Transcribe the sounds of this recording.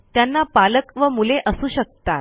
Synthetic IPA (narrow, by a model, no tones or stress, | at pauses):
t̪janːapaləkʋəmuleʔəsuːɕək̚t̪a